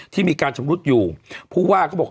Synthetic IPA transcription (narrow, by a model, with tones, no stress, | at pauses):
t̪ʰiː˥˩miː˧kaː˧nt͡ɕʰo˧mɾu˦˥t̪̚juː˨˩pʰuː˥˩waː˥˩kɔː˥˩bɔː˨˩